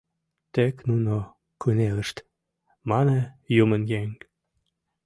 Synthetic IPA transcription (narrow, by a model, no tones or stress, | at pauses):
t̪eknuno | kuneləʃt̪ | mɑnejumənjeŋ